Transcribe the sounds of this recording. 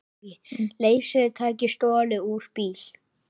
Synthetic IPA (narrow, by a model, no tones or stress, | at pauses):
leːjsʏðt̪ʰaːcɪst̪ɔːlɪuɾ̥piːl̥